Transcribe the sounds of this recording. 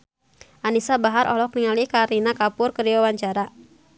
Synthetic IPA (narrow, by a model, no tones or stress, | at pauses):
ʔanisabaɦaɾʔɔ̰lɔk̚niŋalikaɾinakapʊrkəriawaɲt͡ʃaɾa